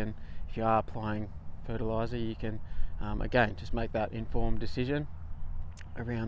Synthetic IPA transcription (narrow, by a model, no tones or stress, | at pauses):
ɨ̃nɪfjəə˞pʰl̥eɪɪ̃ŋfɜ˞ɾəlaɪzə˞jɨkʰɨ̃nʌ̃ʔɨ̰ɡɛ̃nd͡ʒʌs̚meɪk̚ðɨɾʔɪ̰̃ɱfɔɹmdɨsɪʒɨ̃n | ʔə˞ãʊ̃